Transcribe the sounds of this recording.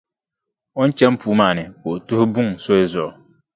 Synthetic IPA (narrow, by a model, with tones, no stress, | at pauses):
o˦n˦t͡ʃɛ˦mpuː˨˦maː˦˨nɨ˨ko˨ʔtʊ˦hʊ˦bʊ˦ŋso˦ɪ˦zɔ˨ʊ˨